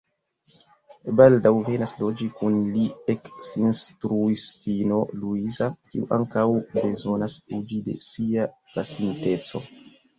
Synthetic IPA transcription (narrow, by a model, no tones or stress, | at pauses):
baldawve̞naslo̞d͡ʒikunlieksinstɾuistino̞luizakiuʔaŋkawbe̞zo̞nasfud͡ʒide̞̰sia | lasimite̞t͡so̞̰